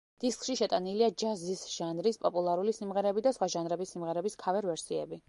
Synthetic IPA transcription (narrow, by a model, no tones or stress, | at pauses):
d̪̥iskʰʼʃiʃɛt̪ʼaniliad͡ʒazisʒ̥anɾispʼɔpʼulˠaɾulisimʁɛɾɛbid̪asχwaʒanɾɛbisːimʁɛɾɛbiskʰavɛɾvɛɾsiɛ̰bi